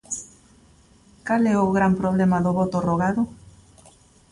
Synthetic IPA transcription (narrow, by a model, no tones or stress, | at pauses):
kalɛoɣɾampɾoβlemaðoβot̪oroɣaðʊ